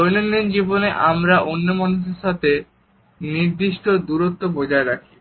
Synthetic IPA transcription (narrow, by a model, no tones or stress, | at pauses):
ojnonːind͡ʑiboneʔa̰mɾaʔonːomanuʃ̬eɾʃat̪ʰe | niɾd̪iʃʈod̪uɾot̪ːobod͡ʑaeɾakʰi̥